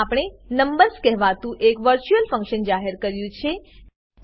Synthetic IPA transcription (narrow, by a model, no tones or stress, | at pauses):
apɽ̃enəmbəɾskɛɦʋat̪ũʔekʋəɾt͡ʃuəlfə̃ŋkʃənd͡ʒaɦeɾkəɾjũt͡ʃʰe